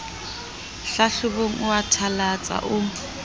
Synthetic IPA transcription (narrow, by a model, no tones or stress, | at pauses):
ɬaɬʊboŋ̩ʊatʰalat͡sʼa̰ʔʊ